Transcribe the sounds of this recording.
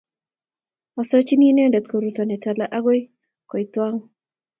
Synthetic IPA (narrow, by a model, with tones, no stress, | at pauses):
ɔ˨so˦t͡ʃi˦ni˦nɛ˦ndɛ˨t̪ko˨ɾu˨tɔ˨nɛ˨ta˨la˦ʔa˦ɡo˦j | kɔ˨i˨t̪wa˦ŋ